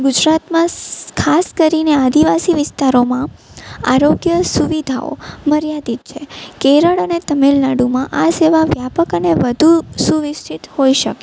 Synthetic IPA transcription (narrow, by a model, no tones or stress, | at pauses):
ɡʊd͡ʒɾat̪mãkʰaskəɾinead̪ʱiʋasiʋɪst̪aɾomãa̰ɾoɡjəsuʋid̪ʱa̰o̰məɾjad̪it̪̚t͡ʃʰekeɾəɭənet̪əmelnaɽumãʔaseʋaʋjapəkəneʋəd̪ʱusuʋɪst͡ʃʰit̪hoiʃəke